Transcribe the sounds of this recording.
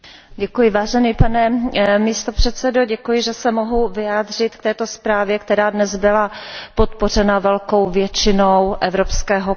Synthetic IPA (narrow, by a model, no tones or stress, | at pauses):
ɟɛkujɪvaːʒɛniːpanɛmist̪opr̥ɛt̪t͡sɛdoɟɛkujɪʒɛsɛmoɦuvɪaːd̪r̝ɪt̪k̚t̪ɛːt̪o̞spɾaːvjɛkt̪ɛɾaːdnɛzbɪlapot̪por̝ɛnavɛlko̞wvjɛt͡ʃɪnowʔɛvɾopskɛːɦo